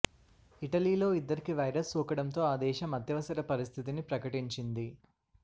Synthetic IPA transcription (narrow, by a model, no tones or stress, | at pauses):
iʈɐliːlo̞ːid̪ːɐɾikiʋɐjɾɐsːuːkɐɽɐnt̪o̞ːaːd̪ɛːʃɐmɐd̪jɐʋɐsɐɾɐpɐɾist̪ʰit̪inipɾɐkɐʈiɲt͡ʃind̪i